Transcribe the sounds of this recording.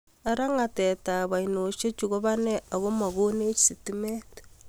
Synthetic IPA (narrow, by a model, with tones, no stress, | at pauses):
a˦ɾa˦ŋa˨tɛ˨ta˨βa˨ino˨ʃe˦t͡ʃu˨ɣo˦βa˦nɛ˦a˨ɣo˦ma˨ɣo˦ne˦t͡ʃsi˨ti˦me˦t